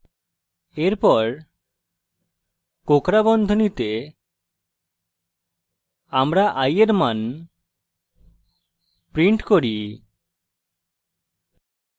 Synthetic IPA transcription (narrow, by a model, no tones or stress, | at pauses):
eɾpɔɾ | kokɾabɔnd̪ʱonit̪e | amɾaʔajeɾman | pɾiɳʈkoɾi